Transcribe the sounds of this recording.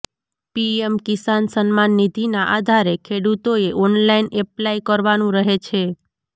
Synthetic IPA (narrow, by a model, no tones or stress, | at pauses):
piemkisansənmanːid̪ʱinaʔad̪ʱaɾekʰeɽut̪oeʔɔnlainɛplaikəɾʋanũɾəɦet͡ʃʰe